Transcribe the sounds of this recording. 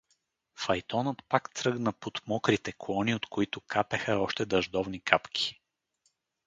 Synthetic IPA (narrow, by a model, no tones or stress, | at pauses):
fɐjt̪ɔnət̪pakt̪sɾɤɡnəpot̪mɔkɾit̪ɛkɔniot̪koit̪ʊkapɛxəɔʃt̪ɛd̪ɐʒd̪ɔvnikʰapkʲʰi̥